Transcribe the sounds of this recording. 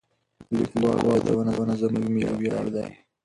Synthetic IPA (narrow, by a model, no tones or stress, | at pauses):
likbɑlwɑd̪a̰wənaənazəmuɡmiabjɑld̪aj